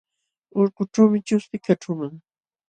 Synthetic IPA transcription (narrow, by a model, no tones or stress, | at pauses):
ʊɾqʊʈ͡ʂawmɪt͡ʃʊst̪ɪkaʈ͡ʂʊmaŋ